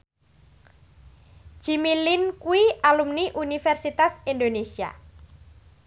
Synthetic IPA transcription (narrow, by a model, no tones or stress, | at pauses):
d͡ʒ̥imilinkuialumniʔunifɛrsit̪asind̪onesia̰